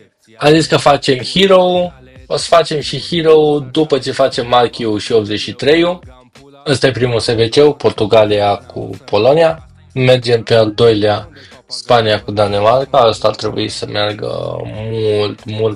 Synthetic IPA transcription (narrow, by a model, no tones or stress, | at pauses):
aziskəfat͡ʃe̞mhiɾou | osə̥fat͡ʃe̞mʃihiɾoud̪upət͡ʃe̞fat͡ʃe̞mːalkʲiuʃio̞p̪̚ze̞t͡ʃʃit̪ɾe̞ju | əst̪ajepɾimuse̞vet͡ʃe̞wpo̞rt̪uɡaliakʰṵpo̞lo̞nia | me̞rd͡ʒe̞mpe̞ald̪o̞jlea | spanijakud̪ane̞markaəst̪aart̪ɾe̞bṵisəmearɡə̰mult̪mult̪